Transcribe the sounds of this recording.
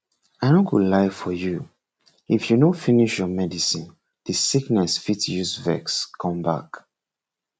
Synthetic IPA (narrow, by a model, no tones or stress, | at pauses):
anõɡulaɪfɔju | ifjunofiniʃjɔmɛdisĩn | ð̥ɨsiknɛsfitjuzvɛ̰kskʰɔ̃mba̰k